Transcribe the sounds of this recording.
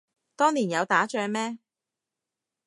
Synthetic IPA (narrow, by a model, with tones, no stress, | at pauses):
t̪ɔː˥ŋliː˨˩njɐ˨˧wt̪aː˨˥t͡ʃœː˧mɛː˥